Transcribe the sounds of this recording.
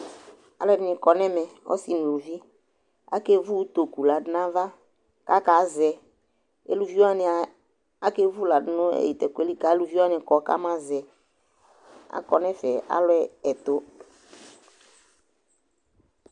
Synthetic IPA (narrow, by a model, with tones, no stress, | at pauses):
a˨lʊ˦ɛ˦˨dɪ˨˦nɪ̃˨kɔ˨nɛ˦mɛ˨ɔ̰˦si˨nũ˨lu˨vi˦ | a̰˦ke˦vu˦t̪o˨ku˨la˨dɪ˦nã˦va˦ | ka˦ka˨˦zɛ˨ | ḛ˦lu˨vi˦wa˦n˨ | a˦ke˦vu˦la˨dɪ˦no˦ḛ˨ji˨t̪ɛ˨ke˦li˦ka˨˦e˦lu˦vi˦wa˦nɪ̃˨kɔ˨ka̰˦mã˦zɛ˨ | a̰˨kɔ˨nɛ̃˦fɛ˨a̰˦lʊ˦ɛ˦ɛ˨t̪o˦